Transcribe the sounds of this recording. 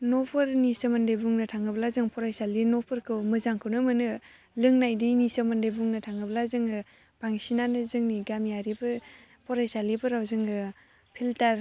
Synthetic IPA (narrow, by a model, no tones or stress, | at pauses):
nɔpʰɯɾnisɯmɯndejbuŋnɯtʰaŋɯblazɯŋpʰɔɾajsalinɔpʰɯɾkʰɯwmɯzaŋkʰɯwnɯmɯnɯ | lɯŋnajdinisɯmɯndejbuŋnɯtʰaŋɯblazɯŋɯ | b̥aŋsinanɯzɯŋniɡamjaɾibɯ | pʰɔɾajsalibɯɾawzɯŋɡɯ | pʰiltaɾ